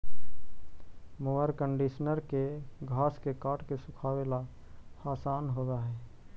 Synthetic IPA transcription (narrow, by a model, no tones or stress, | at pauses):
moʋəɾkə̃ɳɖiːʃnəɾkeɡʱaːskekaːʈkesʊkʰaːwela | aːsaːnɦoːdaɦɛː